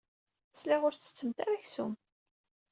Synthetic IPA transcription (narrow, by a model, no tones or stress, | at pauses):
slaʁʊɾt͡sːə̥t͡sːəmt̪aɾæçsṵm